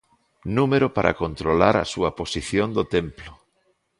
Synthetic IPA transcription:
numeɾopaɾʔa̰kont̪ɾolaɾɐ̰suɐposiθjond̪ot̪emplʊ

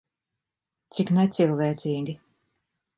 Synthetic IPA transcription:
t̪siknɛt̪silˠvɛːt̪siːɡʲi

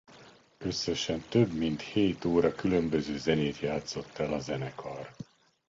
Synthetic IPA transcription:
ø̞sːɛʃɛnt̪ø̞bmint̪heːt̪oːɾɒkylø̞mbø̞zøːzɛneːt̪jaːt̪so̞t̪ːɛlɒzɛnɛkʰɒr

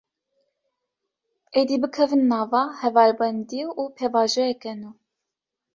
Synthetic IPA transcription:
eːd̪ibɨkʰɛvɨnːɑːvɑːhɛvɑːɾbɛnd̪iuːpʰevɑːʒɛjɛkɛnuː

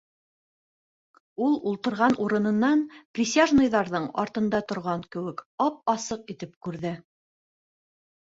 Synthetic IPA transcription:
ulˠulˠt̪ɤ̆ɾʁɑnʔuɾɤ̆nɤ̆nːɑnprʲɪsʲaʒnɤ̆jðɑɾðɤɴɑ̰ɾt̪ɤ̆nd̪ɑt̪ŏɾʁɑŋkɘ̆wɘkɑp̚ɑsɤqit̪ɘpkʉɾðɘ

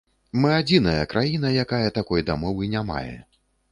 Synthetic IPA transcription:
mɨad͡zʲinɐjɐkɾajinɐjakajɐt̪akɔjd̪amɔvɨnʲama̰jɛ̰

